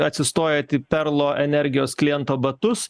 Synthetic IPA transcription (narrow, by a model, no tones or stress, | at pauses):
ɐt̪ʲsʲɪst̪oːjɛːt̪ʲiːpʲɛɾlˠoːʔɛnʲɛɾʲɡʲɪjoːsklʲɪjɛnt̪oːbɐt̪ʊs